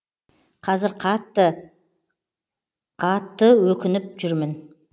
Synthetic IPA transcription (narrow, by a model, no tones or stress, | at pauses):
qʰɑzɪɾqʰɑt̪ːə | qʰɑt̪ːəwɵkʲɪnɪp̚ʒʏɾmɪn